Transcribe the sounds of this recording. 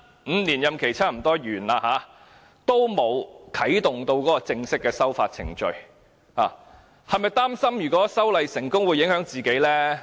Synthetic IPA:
m̩˨˧niː˨˩njɐ˨mkʰe˨˩jt͡sʰaː˥m̩˨˩t̪ɔː˥jyː˨˩naː˧haː˨˧ | t̪o˥wmo˨˧wkʰɐ˨˥jt̪ʊ˨ŋt̪o˧wkɔː˨˥kɔː˧t͡sɪ˧ŋsɪ˥kːɛː˧sɐ˥wfaː˧t̚t͡sʰɪ̰˨˩ŋt͡ʃɵ̰˨˧ɥ | ha̰ː˨ | hɐ˨˧jmɐ˨˧jt̪aː˥msɐ˥mjyː˨˩kɔː˨˥sɐ˥wlɐ˨jsɪ˨˩ŋkʊ˥ŋwu˨˧jːɪ˨˥ŋhœː˨˥ŋt͡siː˨ke˨˥jlɛː˥

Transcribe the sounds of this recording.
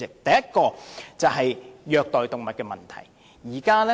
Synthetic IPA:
ɪ˨k̚t̪ɐ˨jɐ˥t̚kɔː˧t͡sɐ˨wɦɐ˨jjœː˨k̚t̪ɔː˨jt̪ʊ˨ŋmɐ˨t̚kɛː˧mɐ̰˨nt̪ʰɐ̰˨˩j | jiː˨˩kaː˥lɛ˦˥

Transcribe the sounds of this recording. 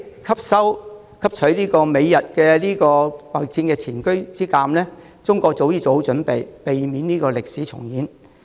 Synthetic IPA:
kʰɐ˥p̚sɐ˥w | kʰɐ˥p̚t͡ʃʰɵ˨˥ɥliː˥kɔː˧me˨˧jːɐ˨t̚kɛː˧liː˥kɔː˧mɐ˨˩k̚t͡si˧nkɛː˧t͡sʰiː˨˩nkɵ˥ɥt͡siː˥kaː˧mlɛː˥ | t͡sʊ˥ŋkʷɔː˧k̚t͡so˨˧˥wjiː˥˩t͡so˨˥ho˥wt͡ʃɵ˨˥npe˨jpe˨jmiː˨˥nniː˥kɔː˧lɪ˨k̚siː˨˥t͡sʰʊ̰˨˩ŋjiː˨˥n

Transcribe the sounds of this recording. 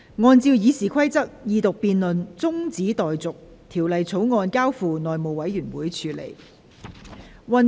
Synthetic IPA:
ŋɔː˧nt͡siː˧wjiː˨˧siː˨˩kʷʰɐ˥jt͡sɐ˥k̚jiː˨˧t̪ʊ˨k̚piː˨˧nlɵ˨nt͡sʊ˥ŋt͡siː˨˥t̪ɔː˨jt͡sʊ˨k̚t̪ʰiː˨˩wlɐ˨jt͡sʰo˨˥wŋɔː˧nkaː˥wfuː˧nɔː˨jmo˨˩wɐ˨˥jɥyː˨˩nwuː˨˥jt͡ʃʰyː˨˧˥lḛ˨˩j | wɐ˨˧n

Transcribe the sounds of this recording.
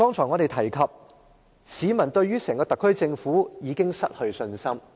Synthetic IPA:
t̪ɔː˥ŋt͡sʰɔː˨˩ŋɔː˨˧ɾe˨jt̪ʰɐ˨˩jkʰɐ˨p̚ | siː˨˧mɐ˨˩nt̪ɵ˧ɥɥyː˥sɛː˨˩ŋkɔː˧t̪ɐ˨kʰːɵ˥ɥt͡sɪ˧ŋfuː˨˥jiː˨˧kɪ˥ŋsɐ˥t̚hɵ˧ɥsɵ˧nsɐ˥m

